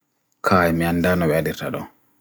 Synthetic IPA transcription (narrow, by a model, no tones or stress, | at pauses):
kʰaːjmiandaːnɔwɛadiɾta̰ɗɔ